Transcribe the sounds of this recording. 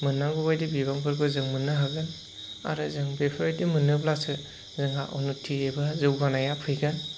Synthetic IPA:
mɯnːaɡɔbajdibibaŋpʰɯɾɡɯzɯŋmɯnːɯɦaɡɯn | a̰ɾɯzɯŋbepʰɔɾitimɯnɯblasɯ | zɯŋa̰ʔɔnutʰːiebazɯwɡanajapʰɯjɡɯn

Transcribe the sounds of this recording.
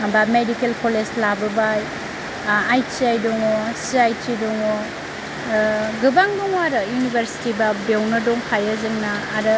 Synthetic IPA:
bamedikelkoled͡ʒlabɐbaj | ajt͡ʃiajdɔŋɔsiajtʰidɔŋɔ | ɡɯbaŋdɔŋwaɾɯjunibʱɐɾsi̥tibɐbewnɐdɔŋkʰajɐzɯŋnɐːɾɯ

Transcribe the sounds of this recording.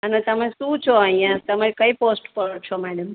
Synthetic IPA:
ənet̪əmẽsũt͡ʃʰoəɦĩãt̪əmaɾikəiposʈpəɽt͡ʃʰomɛɽəm

